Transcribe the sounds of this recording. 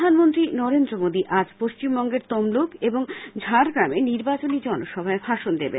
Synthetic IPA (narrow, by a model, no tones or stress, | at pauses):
anmont̪ɾinɔɾend̪ɾomod̪iʔad͡ʑpoʃt͡ɕimbɔŋɡeɾt̪ɔmlukeboŋd͡ʑʱaɾɡɾameniɾbat͡ɕonid͡ʑɔnoʃɔbʱaebʱaʃond̪eben